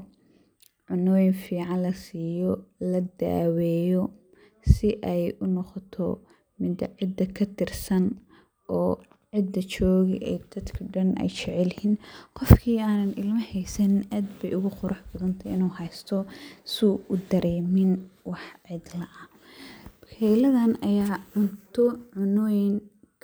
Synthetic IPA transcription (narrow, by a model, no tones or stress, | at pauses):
ʕʊnɔːjɪnfiːʕɑnlɐsiːjɔlɐd̪a̰ːwɛːjɔ | sɪʔɛjʊnɔqɔt̪ʰɔ | mɪd̪ɐʕɪd̪ːɐkʰɐt̪ʰɪrsɐn | ʔɔː | ʕɪd̪ɐt͡ʃɔːɣɪʔɛ̰jd̪̥ɐd̪kʰɐɖɐnɛ̰jt͡ʃɛʕɛlhiːnqɔfkʰiːaːnɐnɪlmɐhɛjsɐnɪnʔaːd̪bɛjʊɣʊqʊɾʔʊħbɐðɐnt̪ʰɐɪnuːɦɛjst̪ʰɔsuːʔʊd̪ɐɾɛːmɪnwɑħʕɪd̪lɐʔɐ | ɛjlɐðɐnɐjaːʕʊnt̪ʰɔʕʊnɔːjɪŋ | kʰ